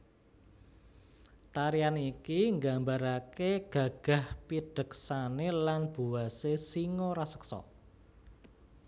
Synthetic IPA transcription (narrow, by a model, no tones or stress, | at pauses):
t̪aɾianeikiŋɡambaɾakeɡ̥ä̤ɡ̥a̤hpiɖ̥ə̤ksanelanb̥ṳwasesiŋɔɾasə̥ksɔ̰